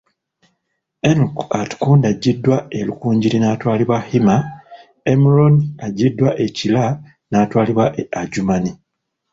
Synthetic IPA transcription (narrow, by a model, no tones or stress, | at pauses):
enukatkuːndaɟːidːwaelukuːɲɟiɾinaːtwaːliβwahima | emiɾonaɟidːwaʔe̞cila | naːtwaːliβwaʔaɟumani